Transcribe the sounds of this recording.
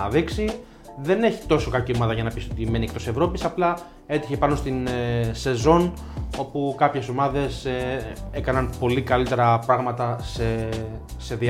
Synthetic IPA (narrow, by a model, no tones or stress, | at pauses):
ɐðiksi | ðe̞ne̞çi̥t̪o̞so̞kɐcio̞mɐðɐʝɐnɐpisot̪ime̞niekt̪o̞sse̞vɾo̞pisɐplɐ | e̞t̪içepɐno̞st̪inse̞zo̞n | o̞pukɐpçe̞so̞mɐðe̞see̞kɐnɐnpo̞likɐlit̪e̞ɾɐpɾɐɣmɐt̪ɐse | se̞ði